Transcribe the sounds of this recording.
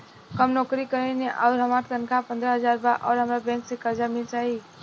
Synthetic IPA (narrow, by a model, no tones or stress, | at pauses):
kəmnɔːkɾikəɾeneʔɔːɾɦəmaːt̪k̪ənkapə̃nd̪ɾəɦəzaːɾbaʔɔːɾɦəmɾabɛ̃ːŋksekəɾd͡ʒamɪlt͡ʃaːɦi